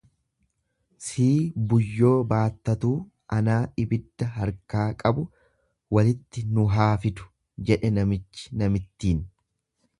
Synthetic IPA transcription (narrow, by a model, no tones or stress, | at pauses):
siːbʊjːo̞ːbaːt̪ːɐt̪uː | ʔɐnaːɪbɪd̪ːɐɦɐɾkaːkʼɐbʊ | wɐlɪt̪ːɪnʊɦaːfɪt̪ʊ̥ | d͡ʒɛᶑɛnɐmɪt͡ʃːɪ̥nɐmɪt̪ːiːn